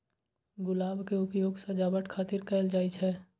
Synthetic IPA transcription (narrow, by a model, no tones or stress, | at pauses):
ɡʊlaːbkeʊpjoːɡsɐd͡ʒaːbəʈkʰaːt̪ɪɾkɛɪld͡ʒaːit͡ʃʰɛː